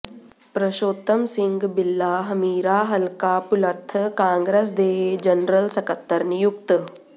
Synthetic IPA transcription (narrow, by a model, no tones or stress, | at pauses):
pɾɐʃoːt̪əmsɪ̃ŋɡbɪlːaːɦɐmiːɾaːɦɐlkaːpʊlɐt̪ʰːəkãːŋɡɾes̬d̪eːed͡ʒɐnɾəlsɐkɐt̪ːɐɾnijukt̪